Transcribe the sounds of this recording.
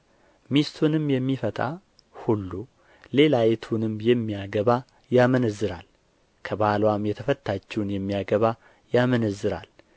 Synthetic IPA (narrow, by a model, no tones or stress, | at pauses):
mist̪ʰunɨmjɛmːifət̪ʼa̰ | hulːu | le̞lajɛt̪ʰunɨmjɛmːijaɡəβa | jamənəzːɨɾa̰l | kʰəbalwamjɛt̪ʰəfət̪ʰːat͡ʃːɛwnjɛmːijaɡəβa | jamənəzːɨɾa̰l